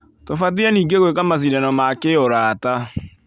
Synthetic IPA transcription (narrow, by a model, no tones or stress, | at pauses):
tofat̬iɛniːɡeɣoekamas̬iɾɛnɔmakeoɾaːta